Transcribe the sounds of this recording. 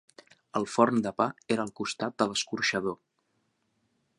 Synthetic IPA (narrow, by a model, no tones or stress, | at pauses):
əlˠfɔɾnd̪əpaeɾəːlˠkust̪at̪̚d̪ələskuɾʃəð̞o